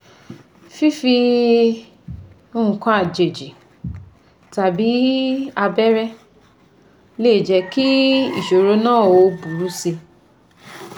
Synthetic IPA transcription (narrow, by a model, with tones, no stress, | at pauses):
fi˦fi˧ | o˧ũ˨kã˧a˨d͡ʒe˨d͡ʒi˨ | ta˨bi˨˦a˧bɛ˦ɾɛ˦ | leː˦˨d͡ʒɛ˨˦ki˦ḭ˦˨ʃo˨ɾo˧˦nãː˦˨o˧˨bu˨ɾu˨˦se˧